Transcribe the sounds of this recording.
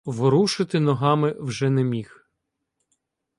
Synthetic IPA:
ʋɾuʃɪt̪ɪnɔɦɑmɪwʒɛnɛmʲix

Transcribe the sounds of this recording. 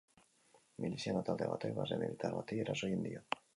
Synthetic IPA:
milisjanat̪ald̪ḛβa̰t̪ejβazremeðit̪aɾβat̪ieɾasojend̪ḭa

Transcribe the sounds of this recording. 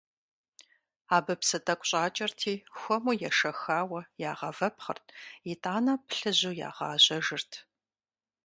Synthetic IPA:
aːbɨpsɐtʼɐkʷʼɕʼaːt͡ʃʼɐrtʰiːxʷɔmujɛʂɐxaːwɐjaːʁɐvɐpχɐ̰rtʰjitʼaːnɐpɬɨʑuːja̰ːʁɑːʑɐʒɨrtʰ

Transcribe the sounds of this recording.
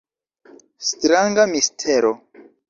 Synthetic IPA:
stɾaŋɡamistʰeɾo

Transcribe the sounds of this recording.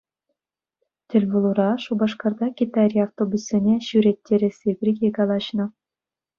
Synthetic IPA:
tʲĕlʲvulˠuɾɑʂubɑʂkɑrd̪ɑkʲit̪ɑɾʲiaft̪obusʲːinʲeɕyɾʲet̪ʲːeɾʲɘ̆sʲipʲrʲikʲekɑlˠɑɕnɤ̆

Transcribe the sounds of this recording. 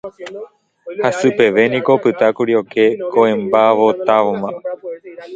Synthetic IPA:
hasɨpe̞ʋe̞nĩko̞pɨt̪akuɾioke̞koẽmbaʋot̪aʋomã

